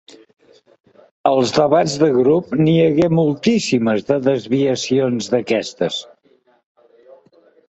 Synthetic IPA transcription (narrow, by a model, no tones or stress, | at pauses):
əlˠzðəβad͡zðəɣɾupniəɣɛmulˠt̪isiməzðəðəzβiəsionzðəkɛst̪əs